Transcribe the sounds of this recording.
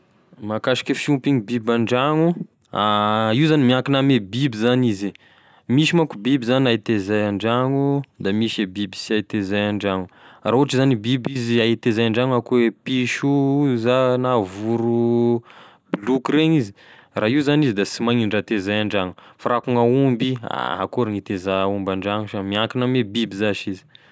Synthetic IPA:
makaʃi̥kʲəfiumpiŋibibaɳɖ͡ʐaŋu | aiwzanimiakinamebibizanizi | miʃimakubibizanait̪ezajaɳɖ͡ʐaŋud̪amiʃebibisiajt̪ezajaɳɖ͡ʐaŋurauaʈ͡ʂizanibibiziait̪ezajaɳɖ͡ʐaŋakuepiʃuzanavuɾu | blukɾeɲiziraiuzanizid̪asimajɲiɳɖ͡ʐat̪ezajaɳɖ͡ʐaŋufaɾakuŋaumbia̰ɦakuɾaŋit̪ezaumbaɳɖ͡ʐaŋuʃamiaŋkinamebibizaʃizi̥

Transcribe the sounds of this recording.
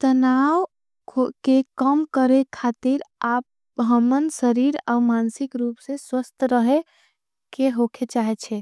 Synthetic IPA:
t̪ənaw | kʰokekəmkəɾekʰat̪iɾap̚ | ɦəmənsəɾiɾa̰umansikɾupsẽswəst̪ʰɾəɦe | keɦokʰet͡ʃaɦɛt͡ʃʰɛ

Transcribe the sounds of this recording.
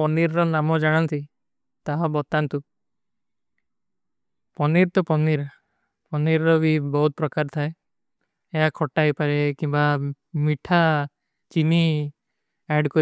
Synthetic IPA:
ɔniɾɾɔnamɔd͡ʒaɽ̃ɔnt̪i | t̪aɦɔbɔt̪ant̪u | pɔniɾt̪ɔpɔniɾ | pɔniɾɾɔbibɔɦut̪̚pɾɔkaɾt̪ʰae | eɦakʰɔʈajpaɾekimba | miʈʰa | t͡ʃini | aɖkɔ

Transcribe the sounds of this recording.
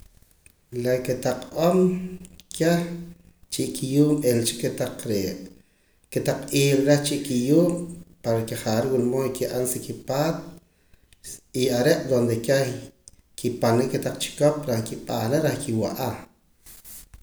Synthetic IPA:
leket̪aq͡χqʼomkʰeh | t͡ʃiʔkijuːmelt͡ʃi̥ket̪aq͡χɾeʔ | ket̪aq͡χiːlɾeht͡ʃiʔkijuːmpaɾkeχaːɾwulmoikiʔansikipaːt̪̚ | iaɾeʔd̪ond̪eke | kipanɾeket̪aq͡χt͡ʃi̥kopɾahkiɓaːɾeɾahkʰiwaʔa

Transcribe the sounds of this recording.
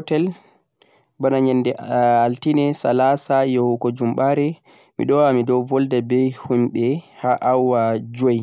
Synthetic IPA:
hɔtɛl | banaɲɛndɛaltinɛsalasajɔhukɔd͡ʒumɓaɾɛ | mḭɗɔwamidɔwvɔldɛbɛjhumɓɛhaʔawːad͡ʒoj

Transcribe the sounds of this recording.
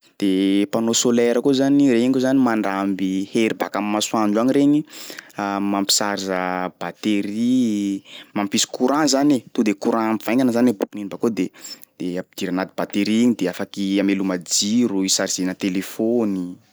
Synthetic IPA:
d̪̥epanosolɛɾəkozanireikozanimaɳɖ͡ʐambiheɾiba̰kammasuand͡ʒaŋɾeɲiamampi̥saɾizəb̥at̪eɾi | mampisi̥kuɾãzanet̪ud̪ekuɾãmivajŋanəzanebukuninibakod̪ed̪̥eid̪̥iɾanad̪ibat̪eɾiɲid̪eafakiamelumad͡ʒiɾuisaɾiz̥enət̪elefoni

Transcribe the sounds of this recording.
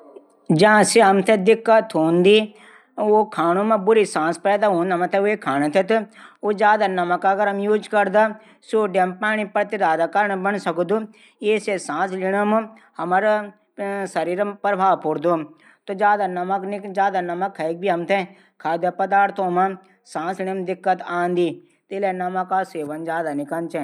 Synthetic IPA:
d͡ʒɐ̃ãseɦɐmt̪ʰẽd̪ɪkːat̪ʰoːnd̪i | okʰaːñumẽbʊɾisãːspɛːd̪aɦõːnd̪ɐmɐ̃t̪ʰeekʰaːnet̪ʰet̪od͡ʒjaːd̪anɐməkɐɡəɾɦɐmjuːd͡ʒkɐɾd̪a | soɖempaːñipɐɾt̪id̪aːd̪akɐɾəɳbɐnsɐkd̪u | eːsesãːsliñɐm | hɐmɐɾ | sɐɾiːɾpɾɐbʱaːpuɾd̪o | t̪od͡ʒjaːd̪anɐmɐknikd͡ʒaːd̪anɐmɐkʰːɐek̚bʱiɦɐmt̪ʰe | kʰaːd̪jɐpɐd̪aːɾt̪ʰõːma | sãːslɪñɐmd̪ɪkːət̪ãːnd̪i | t̪ilenɐmɐkaseːʋɐnd͡ʒaːd̪anɪkɐnt͡ʃe

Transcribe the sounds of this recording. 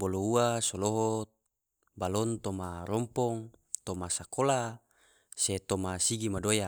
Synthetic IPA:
bolouasoloɦɔ | balɔnt̪ɔmaɾɔmpɔŋt̪omasakola | set̪ɔmasiɡimadoja

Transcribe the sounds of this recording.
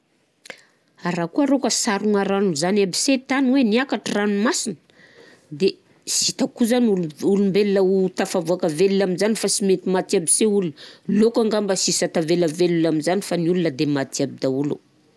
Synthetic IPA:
aɾakuaɾokəsaɾuŋaɾanuzanabiset̪anweniakaʈ͡ʂiranumasinə̥ | d̪e | sit̪akuzanululumbelnəut̪afavuakəvelinaminzanifasimet̪imat̪iabi̥seulunəlokaŋɡambəsisat̪avelavelulaminzanifaniulunəd̪emat̪iabid̪aulṵ

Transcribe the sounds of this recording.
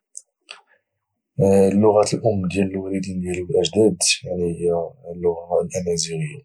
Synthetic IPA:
lːʊɣæt̪əlʔʊmːd̪jæləlwælid̪ind̪jæləlʔæʒd̪æd̪jaʕniəjælːʊɣalʔænæziɾəjːæ

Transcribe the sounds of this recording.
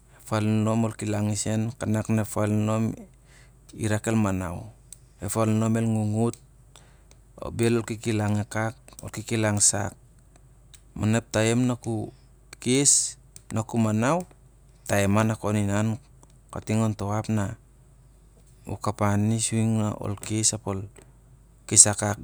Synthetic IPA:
efalnomolkilaŋisenkanaknefalno̞m | ḭɾakelmana̰w | efalno̞melŋuŋut̚ | o̰belolkikilaŋekak̚o̰lkikilaŋsa̰k̚ | manep̚taemnaku | kes | nakumanaw | taemanakoninan | katiŋontoapna | ṵkapanisuiŋnao̰lkesapol | kesakak

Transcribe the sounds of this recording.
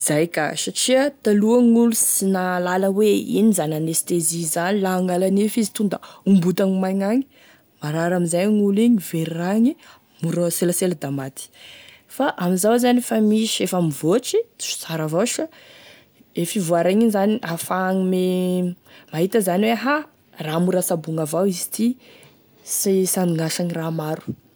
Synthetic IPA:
zajka̰saʈ͡ʂiət̪aluəŋulusinalaləweḭnizananest̪ezizanilaaŋɡalanefizi̥t̪und̪aumbut̪aŋimajŋaŋi̥ | maɾaɾamizajŋuliɲiveɾraŋi | muɾəseləselad̪amat̪i̥ | faʔamizawzanfamiʃefamivot͡ʃit͡si̥u̥t͡saɾavaʃə | efivaɾaŋinzaniʔafaŋime | maɦit̪əzaniweɦa | ramuɾasabuŋavawizi̥t̪i | sisaniŋaʃaŋiramaɾu̥

